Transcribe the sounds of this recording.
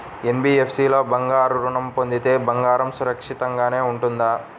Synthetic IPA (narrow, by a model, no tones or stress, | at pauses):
enbiepʰsiːloːbɐŋɡaːɾuɾuɳɐmpond̪it̪e̞ːbɐŋɡaːɾɐmsuɾɐkʂit̪ɐŋɡaːne̞ːuɳʈund̪aː